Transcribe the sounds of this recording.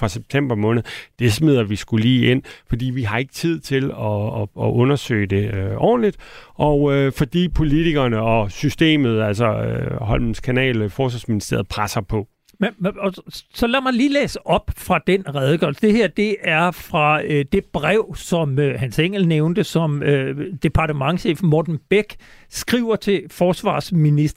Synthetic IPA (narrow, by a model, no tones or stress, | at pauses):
fʁɑ̈seb̥̚t͡sʰem̰b̥ɐmɔ̽ːnð̞̩ˠd̥e̝smið̞̰ˠɐʋisɡ̥ulḭːe̝n̰fɒ̽d̥ḭːʋiɦɑ̈e̝ɡ̥ə̥t͡sʰið̞̰ˠt͡sʰe̝lɒːʔɔ̽nɐsø̰ɪd̥e̝øʔɒ̰ːn̩lid̥ʔɒʊøfɒ̽d̥ḭːpʰo̝lit͡sʰiɡ̥ɐnəɒ̽sysd̥e̝̰ːmð̞̩ˠælsɒøɦɒ̽lmn̩skʰænɛ̰ːlfɒːsʋɑsminisd̥e̝ɐð̩ˠpʰʁasɐpʰɒ̽ | meɒsɒ̽læmɑ̈ɪliːleːsəʔɒ̽b̥fʁɑ̈d̥enʁað̞ˠəɡ̥ɶ̰ɐlsə̥d̥e̝heɐ̰d̥e̝ʔæɐfʁɑ̈ød̥e̝b̥ʁɛʊ̰sɒ̽møhænseŋ̰ɡ̥l̩neʊnd̥əsɒ̽mød̥e̝pʰɑ̈d̥əmɑ̈ŋɕḛːfmɒːd̥n̩b̥eɡ̥ | sɡ̥ʁiʊɐt͡sʰe̝fɒːsʋɑ̰̈ːsminisd̥ɐ